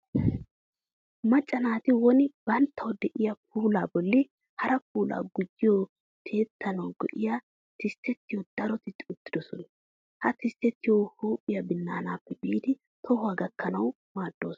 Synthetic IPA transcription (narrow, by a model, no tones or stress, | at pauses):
mɐt͡ʃʼːɐnaːt̪ɪwɔnɪb̥ɐnt̪ʰːɐwd̪ɛʔɪjɐp̚ʰuːlaːbɔlːɪ | hɐɾɐp̚uːlʔa̰ːɡʊd͡ʒːɪjo | t̪ʰe̞ːt̪ʰːɐnɐwɡɔ̰ʔɪja | t̪ɪst̪ːɛt̪ːɪjod̪̥ɐɾɔt̪ɪt̪ʼʊt̪ːɪd̪ɔsɔnɐ | hɐt̪ɪst̪ːɛt̪ːɪjohuːpʼːɪjɐbɪnːaːnaːpːɛbiːd̪ɪ | t̪ʰɔhʊaːɡɐkːɐnɐw | maːd̪̥ːo̞ːs